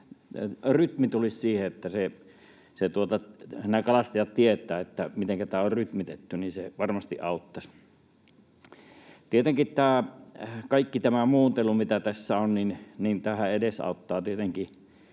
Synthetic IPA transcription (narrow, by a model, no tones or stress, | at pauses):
ryt̪mit̪ulissiːheet̪ːæse | set̪uot̪ɑnækɑlɑst̪ɑjɑt̪t̪iet̪ˑæːet̪ːæmit̪eŋkæt̪æːorryt̪mit̪et̪ːyninseʋɑrmɑst̪ḭʔʔɑˑut̪ːɑs | t̪iet̪eŋkitt̪æː | kɑikːit̪æmæmuːnt̪elumit̪æt̪æsːæonninnint̪æhæedesɑ̰ˑut̪ːɑːt̪iet̪eŋki